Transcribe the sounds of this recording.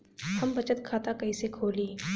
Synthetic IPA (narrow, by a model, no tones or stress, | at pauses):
hɐmbɐt͡ʃət̪̚kʰaːt̪akɐisekʰoːliː